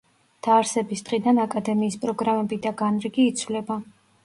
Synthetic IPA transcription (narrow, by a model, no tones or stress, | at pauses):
d̪̥aːɾsɛbisd̪ʁid̪anakʼad̪ɛmiːspʼɾɔɡɾamɛbid̪aɡanɾiɡiːt̪sʰvlɛba